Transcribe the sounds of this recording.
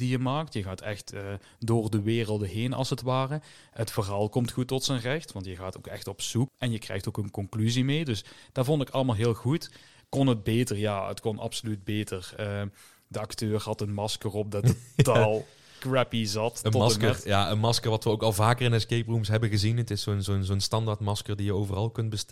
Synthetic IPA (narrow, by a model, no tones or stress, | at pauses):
d̥ijəmaːk̚tjəɣaːtʰɛ̰xtəː | doːrdəʋɪːrəlˠdəɦeːnɑ̰lˠsətʋaːrə | ɦətfərɦaːlˠkɔmtxutːɔtsənrɛxtʋɑntjəɣaːtowkɛ̰xtɔpsukɛnjəkrɛ̰jxtowkənkɔŋklyzimejdɵsd̥aːɹvɔndɪkɑləmaːlˠɦɪːlˠɣut | kɔnəd̚beːtəɹjaːə̰tkɔnʔɑ̰psolyd̚beːtərəː | dəɑktøːɹɦɑtənmɑskərɔp̚dɑttalˠ | kɹɛpizɑtəɔmɑskəjaənmɑskəɹʋɑtʋəowkɑlˠvaːkərɪnɛskejprumsɦɛbəɣəzinətɪsonzonzonstɑndaːɹtmɑskəɹdijəowvərɑlˠkɵnt̚bəst